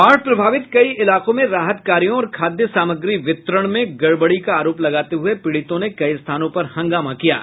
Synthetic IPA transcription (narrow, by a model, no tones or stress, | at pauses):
paːɽpɾɐbʱaːʋɪt̪kɐiɪlaːkqõmẽɾaːɦət̪kaːɾijõɔːɾkʰaːd̪jəsaːməɡɾiʋɪt̪ɾəɽ̃mẽɡɐɽbəɽikaaːɾoːplɐɡaːt̪eɦʊepɪɽɪt̪õnekɐist̪ʰaːnõpɐɾhɐ̃ŋɡaːmakija̰ː